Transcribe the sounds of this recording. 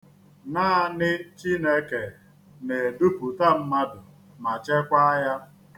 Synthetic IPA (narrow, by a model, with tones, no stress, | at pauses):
naː˦a˦˨nɪ˦t͡ʃi˦ne˦ke˨ | ne˨du˦pu˨ta˦m̩˦ma˦dʊ˨ | ma˨t͡ʃe˦kʷa˦ja˦